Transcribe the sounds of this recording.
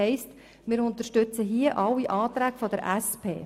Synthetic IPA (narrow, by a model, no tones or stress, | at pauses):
ɛɪst | mɪːɾʊnt̪əʃtʏt͡səɦiəʔɑlːiʔɑːt̪ɾæːkfɔd̪əɾʔæspʰḛː